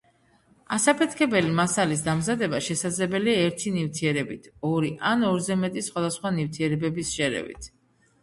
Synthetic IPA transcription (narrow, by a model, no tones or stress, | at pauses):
asapʰɛt̪ʰkʰɛbɛlimasalis̬d̪amzad̪ɛbaʃɛsad̪zlɛbɛliaɛɾt̪ʰinivt̪ʰiɛɾɛbit̪ʰɔɾiʔanɔɾzɛmɛt̪ʼisχwad̪asχwanivt̪ʰiɛɾɛbɛbisʃɛɾɛ̰vḭt̪ʰ